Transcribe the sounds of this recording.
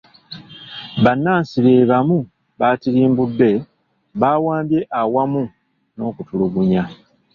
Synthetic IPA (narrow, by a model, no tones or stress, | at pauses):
βanːaːnsileβamu | βaːtiɾiːmbudːe̞ | βaːwaːmbjeʔawamu | no̞ːkutuluɡuɲa